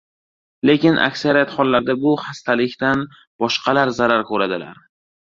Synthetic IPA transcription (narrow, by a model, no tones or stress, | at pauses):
le̞kʲɪnʔa̰kʲsaɾijat̪χɒlˠːaɾd̪abʊhast̪ʰalɪkʲt̪an | b̥ɒʃqʰɑlaɾzaɾaɾkʰɵɾad̪ɪla̰ɾ